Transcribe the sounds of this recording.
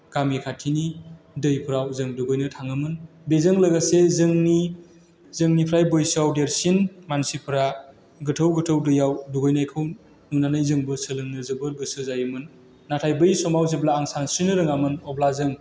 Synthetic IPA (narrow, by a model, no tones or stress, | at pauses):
ɡ̥amikʰatʰini | dɯjpʰɯɾawzɯŋduɡojnɯtʰaŋɯmɯn | bezɯŋlɐɡasezɯŋni | zɯŋnipʰɾajbojsawdeɾsinmansipʰɯɾa | ɡɯtʰəwɡɯtʰɯwdɯjawduɡojnajkʰɯw | nunanɯjzɯŋbɯsɯlɯŋnɯzɯbɯɡɯsɯzajɯmɯnː | atʰajbɯjsɔmawzeblaːŋsansɾinɯɾɯŋamɯnɔblazɯŋ